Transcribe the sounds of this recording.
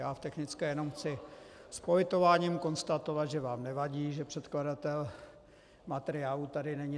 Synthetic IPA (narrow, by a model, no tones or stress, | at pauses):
jaːft̪ɛxnɪt͡skɛjɛno̞mxt͡sɪspovɪt̪o̞vaːɲimko̞nst̪at̪o̞vad̪ʒɛvaːmnɛvaɟiːʒɛpr̥ɛt̪kladat̪ɛl | mat̪ɛɾɪaːlut̪adɪnɛɲɪ